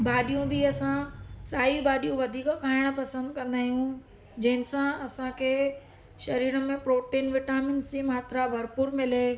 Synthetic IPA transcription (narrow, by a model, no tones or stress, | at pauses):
baːɗijũbɪɐsãsaːibaːɗijũʋɐd̪ʱiːkkʰaːɪɽ̃pɐsə̃nd̪kɐ̃nd̪aːɦijũ | d͡ʑɐ̃ɦɪ̃nɪsãɐsãkʰe | ʃɐɾiːɾəmẽpɾoːʈeːnʋɪʈaːmɪnsimaːt̪ɾabʱɐɾpuːɾmɪle